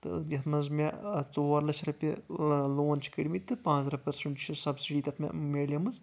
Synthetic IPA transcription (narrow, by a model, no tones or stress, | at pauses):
t̪ɨ̰jɐt̪ʰmɐnzmʲat͡soːɾlɐt͡ʃʰɾɐpʲiloːnt͡ʃʰi̥kiɽʲimit̪ːɨpãːt͡sɾɐpɐɾsɐɳʈt͡ʃʰisɐbsiɖiːt̪ɐt̪ʰmʲɐ̰mʲeːlʲɐmɐz